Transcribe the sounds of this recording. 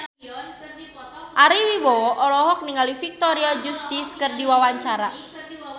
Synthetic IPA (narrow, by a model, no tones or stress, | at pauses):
ʔaɾiwibɔwɔʔɔlɔɦɔk̚niŋalifik̚t̪oɾiɔd͡ʒust̪ɪskərdiwawaɲt͡ʃaɾa